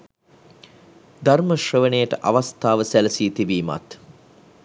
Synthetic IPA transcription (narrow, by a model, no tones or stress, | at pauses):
d̪arməʃrəʋənəjəʈəʔaʋast̪aːʋəsæləsiːt̪ibiːma̰t̪